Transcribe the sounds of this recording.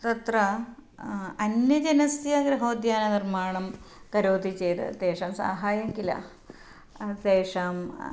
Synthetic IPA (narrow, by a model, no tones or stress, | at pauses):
t̪ɐt̪ɾɐ | ɐnjɐd͡ʒɐnɐst̪ijɐɡɾɐɦoːd̪jaːnɐnirmaːɳɐmkɐɾoːt̪it͡ʃeːt̪ɐ̰t̪eːʂaːmsa̰ːɦaːjɐmkilɐ̰ | t̪eːʂaːm